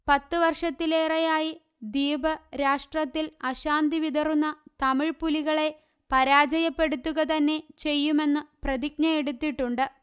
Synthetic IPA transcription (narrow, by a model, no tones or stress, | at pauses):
pɐt̪ːɨʋɐrʂɐt̪ːile̞ːrɐjaːji | d̪iːbʱɐɾaːʂʈrɐt̪ːilɐɕaːnd̪iʋid̪ʱɐrunːɐt̪ɐmiɻpuliɣɐɭe̞ | pɐɾaːd͡ʑɐjɐpːe̞ɽut̪ːuɣɐt̪ɐnːe̞t͡ɕe̞jːume̞nːɨprɐd̪ik̚nɐjeɽut̪ːiʈːuɳɖɨ